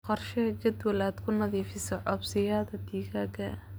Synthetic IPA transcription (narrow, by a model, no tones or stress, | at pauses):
qɔrʃɛɡɐd̪wɐlaːd̪kʰʊnɐðiːfɪsɔʕɔbsɪjaːðɐd̪iːɣaːɡɐ